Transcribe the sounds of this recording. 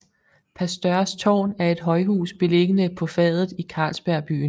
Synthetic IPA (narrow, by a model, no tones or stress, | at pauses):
pʰæɐsd̥ɶɐst͡sʰɒ̰ːnæɐe̝d̥ɦɒ̽ɪɦṵːsb̥e̝le̝ɡ̥ənəpʰɒ̽fɛðˠð̩ˠikʰɑ̈ːlsb̥æɐb̥y̰ːn